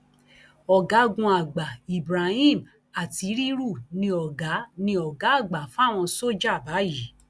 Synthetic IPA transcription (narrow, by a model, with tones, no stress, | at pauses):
ɔ˨ɡa˨˦ɡũ˧a˨ɡ͡ba˨i˨bɾa˨hĩ˦˨m | a˨ti˨˧˦ɾi˦ɾu˦˨nĩ˧ɔ˨ɡa˨˦nĩ˧ɔ˨ɡa˨˦a˦˨ɡ͡ba˨fa˦˨w̃ɔ̃˧so˦d͡ʒa˦˨ba˨˦ji˨˦